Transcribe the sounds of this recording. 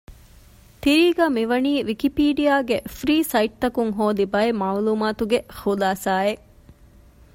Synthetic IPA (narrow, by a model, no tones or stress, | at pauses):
t̪iɾiːɡaːmiʋɐniːʋikipiːɖijaːɡefɾiːsɐiʈ̚t̪ɐkuŋɦoːd̪ibɐemaːluːmaːt̪uɡexulaːsaːeʔ